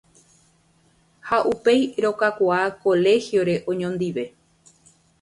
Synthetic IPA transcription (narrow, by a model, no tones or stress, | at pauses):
haʔupe̞jɾo̞kakʷaako̞le̞hjo̞ɾe̞ʔõ̞ɲõnd̪iʋe̞